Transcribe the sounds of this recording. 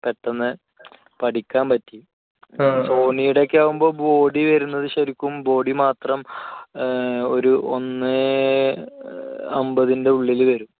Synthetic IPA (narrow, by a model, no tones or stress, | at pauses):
pe̞ʈːɐnːɨ | pɐʈikʲːaːmpɐtːi | fo̞ːnijuɽɐkʲːaːʋumbo̞ːbo̞ːɽiʋɐɾunːɐðɨɕɐɾikʲːumbo̞ːɽimaːt̪rɐm | o̞ɾuʔonːɨ | ɐmbɐðinde̞uɭːilʋɐɾum